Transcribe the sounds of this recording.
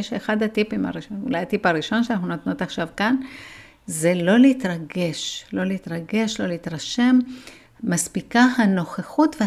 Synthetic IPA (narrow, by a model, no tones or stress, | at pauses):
eʃeχad̪hatipima̰ʁiʃonṵlajatipaʁiʃo̞nʃeanaχnunat̪notaχʃavkan | zelo̞leit̪ʁaɡe̞ʃlo̞leit̪ʁaɡe̞ʃlo̞leit̪ʁaʃe̞mː | aspikahano̞χeχutvea